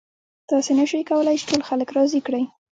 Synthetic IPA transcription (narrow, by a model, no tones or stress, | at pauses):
t̪ɑsenəʃəjkawəlajt͡ʃe̥ʈʰolxaləkɾɑzikɽəj